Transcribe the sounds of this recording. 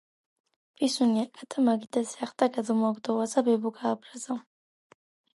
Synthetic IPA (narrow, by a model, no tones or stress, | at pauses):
pʼisuniakʼat̪ʼamaɡid̪azɛaχt̪ʼaɡazmuaɡd̪ɔwazabɛbuɡaːbɾaza